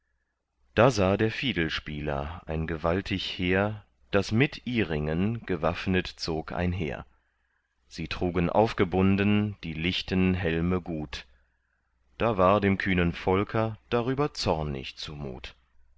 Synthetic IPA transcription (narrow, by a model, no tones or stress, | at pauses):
d̥aːzaːdeːɐfiːdl̩ʃpiːlɐ̰ʔaɪnɡəvaltʰɪçheːɐ | d̥asmɪtʰʔiːʁɪŋənɡ̥əvafnətt͡soːkʰʔa̰ɪnɦḛːɐ | z̥iːtʁ̥uːɡənʔa̰ʊfɡ̥əbʊndnd̥iːlɪçtənɦɛlməɡuːt | d̥aːvaːɐdeːmkʰyːnənfɔlkʰɐd̥aʁyːbɐt͡sɔɐnɪ̰çt͡sumṵːt